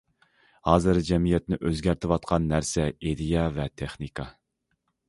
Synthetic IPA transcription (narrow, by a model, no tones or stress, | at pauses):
hɑːzɨɾd͡ʒɛmijɛt̪̚nɪʔøzɡʲæɾt̪ʰɪwɑt̪̚qʰɑnːæɾsɛed̪ijɑvɛt̪ʰeχnikʰɑ